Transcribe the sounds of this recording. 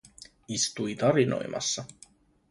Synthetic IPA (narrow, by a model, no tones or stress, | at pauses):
ist̪ujt̪ɑɾino̞̰jmʔɑ̰sːɑ